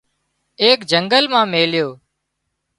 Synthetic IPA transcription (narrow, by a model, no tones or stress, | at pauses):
eːkd͡ʒəŋɡəlmãːmeːljoː